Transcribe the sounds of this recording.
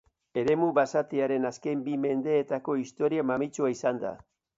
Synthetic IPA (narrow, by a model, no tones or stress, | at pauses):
e̞ɾe̞muβasat̪eaɾe̞naskembime̞nd̪e̞ːt̪ako̞ist̪o̞ɾiamamit͡ʃuaisand̪a̰